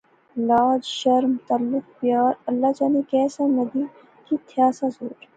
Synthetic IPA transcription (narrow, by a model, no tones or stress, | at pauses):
laːd͡ʒʃəɾmt̪alːɪk̚pjaːɾɐlːaːd͡ʒaːnekɛːsanɐd̪iː | kit̪ʰjaːsasoːɾ